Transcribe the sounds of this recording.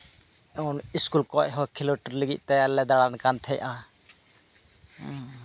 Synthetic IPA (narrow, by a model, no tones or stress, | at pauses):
ɔniskulkɔʔɦɔkʰiloʈəɾləɡiʔ̚ˀt̪ɛalɛd̪aɽankant̪ʰɛʔʔã